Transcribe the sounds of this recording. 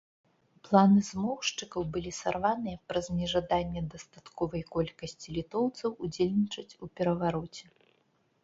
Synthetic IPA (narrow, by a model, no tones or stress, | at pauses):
plˠanɨzmɔwʂt͡ʂɨkɐwbɨlʲisarvanɨjɐpɾɐzʲmʲɛʐad̪anʲːɛd̪ɐst̪at̪kɔvɐjkɔlʲkɐsʲt͡sʲilʲit̪ɔwt̪sɐwud͡zʲelʲnʲit͡ʂɐt͡sʲupʲɛɾɐvaɾɔt͡sʲɛ